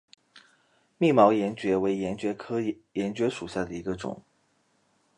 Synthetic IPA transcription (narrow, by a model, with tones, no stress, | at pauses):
mi˥˩mɑ˧˥ʊjɛ˧˥nt͡ɕɥɛ˧˥we˧˥ɪjɛ˧˥nt͡ɕɥɛ˧˥kʰɤ˥jɛ˧˥nt͡ɕɥɛ˧˥ʂu˨˩ɕja˥˩d̪ə˩i˧˥ɡə˧ʈ͡ʂʊ̰˨˩˦ŋ